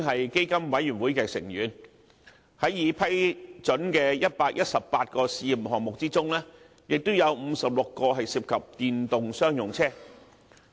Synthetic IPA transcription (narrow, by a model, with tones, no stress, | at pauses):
ɦɐ˨jke˥jkɐ˥mwɐ˨˥jyː˨˩nwuː˨˥jkɛː˧sɪ̰˨˩ŋjyː˨˧n | hɐ˨˥jːiː˨˧pʰɐ˥jt͡sɵ˨˥nkɛː˧jɐ˥t̚paː˧k̚jɐ˥t̚sɐ˨ppaː˧t̚kɔː˧siː˧ji˨mɦɔː˨ŋmʊ˨k̚t͡siː˥t͡sʊ˥ŋlɛː˥ | jɪ˨k̚t̪o˥wjɐ˨˧wm̩ː˨˧sɐ˨p̚lʊ˨kːɔː˧ɦɐ˨jsiː˧˥p̚kʰɐ˨p̚t̪iː˨nt̪ʊ˨ŋsœː˥ŋjʊ˨˩ŋt͡sʰɛː˥